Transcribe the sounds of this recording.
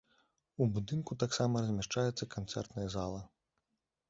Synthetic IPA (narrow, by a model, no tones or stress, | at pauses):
ubud̪ɨnkut̪aksamɐɾɐzʲmʲaʂt͡ʂajɛt̪sːɐkant̪sɛ̰rt̪nɐjɐzalˠɐ